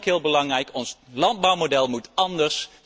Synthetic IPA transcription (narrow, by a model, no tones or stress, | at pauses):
kɦɪːlˠbəlɑŋrɛjkɔnslɑnd̚bɑwmodɛlˠmutɑndəɹs